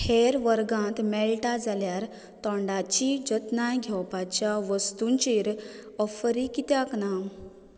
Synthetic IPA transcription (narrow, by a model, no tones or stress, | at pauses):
heɾʋəɾɡãt̪mɛɭʈad͡zaljaɾ | t̪ɔ̃ɳɖat͡ɕid͡ʑət̪najɡʱjɛwpat͡ɕjaʋəst̪uɲt͡ɕiɾɔfəɾikit̪jaknaw